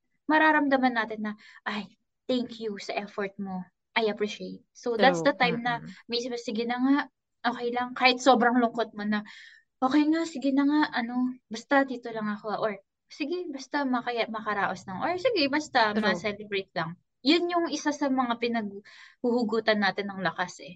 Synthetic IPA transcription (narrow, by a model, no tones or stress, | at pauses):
mɐɾaːɾɐmd̪ɐmɐnːaːt̪ɪnːɐʔaj | t̪ɛŋkʰjusɐʔɛfoɹt̪̚mo̞ | ʔɐjʔɐpɹiʃejt̪̚sowdd̪at̪sd̪ɐt̪ajmnɐmɐjsmɐsɪɡɪnɐŋaʔ | ʔo̞ːkɛjlɐŋkaːhɪt̪̚so̞ːbɾɐŋlʊŋko̞t̪̚monɐ | ʔo̞ːkɛjŋasɪɡɪnɐŋaʔɐno̞bɐst̪ɐd̪iːt̪o̞lɐŋɐko̞ʔoɹ | sɪɡɛbɐst̪ɐmɐkɐjamɐkɐɾaːʔo̞slɐŋʔoɹsɪɡɛbɐst̪ɐmɐsɛlɛbɾejt̪̚lɐŋ | jʊnjʊŋʔɪsasɐmɐŋapɪnɐɡ̚huhʊɡuːt̪ɐnːaːt̪ɪnːɐŋlɐkasʔɛ